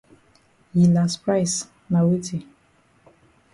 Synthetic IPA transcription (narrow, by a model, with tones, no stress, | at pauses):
ji˨la˨spɾa˦js | na˨we˦ti˨